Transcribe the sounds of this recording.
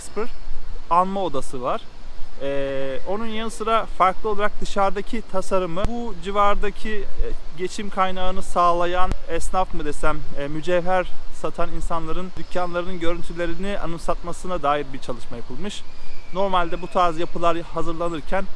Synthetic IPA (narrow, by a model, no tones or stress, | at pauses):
spɯɾ̥anmao̞d̪asɯvaɾ̥ɛo̞nunjanɯsɯɾafaɾklˠɯo̞lˠaɾak̚d̪ɯʃaɾd̪acʰit̪ʰasaɾɯmɯbud͡ʒivaɾd̪acʰiɟe̞t͡ʃʰimkʰajnaɯnɯsaːlˠajanɛsnafmɯd̪e̞sæmːyd͡ʒɛvæɾsat̪ʰaninsanlˠaɾɯnd̪ycʰjanlˠaɾɯnɯnɟø̞ɾynt̪ʰylʲe̞ɾiniʔa̰nɯmsat̪̚masɯnad̪aːjiɾbiɾt͡ʃʰalˠɯʃmajapʰɯlˠmɯʃno̞ɾmalʲd̪ɛbut̪ʰaːɾzijapʰɯlˠaɾhazɯɾlˠanɯɾcʰæn